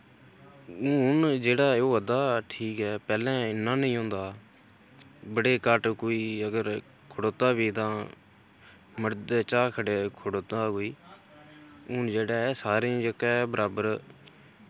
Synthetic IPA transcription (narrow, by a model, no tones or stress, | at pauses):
ʊʊnd͡ʒeːɽaːoːəd̪aːʈʰiːkɦɛːpɛːlɛ̃ːɪnːãːnəĩːɦõːnd̪aː | bəɽeːkəʈkoːiːəɡəɾ | kʰʊɽoːt̪aːbiːt̪ãː | məɽd̪eːt͡ʃaːkʰəɽeːkʰʊɽoːt̪aːkoːiː | ʊnd͡ʒeːɽaːɛːsaːɾẽːd͡ʒəkɛːbəɾʔaːbəɾ